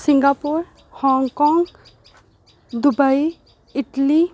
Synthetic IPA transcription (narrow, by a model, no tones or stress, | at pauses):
siŋɡapuɾ | hɔŋkɔŋɡ | d̪ubai | iʈli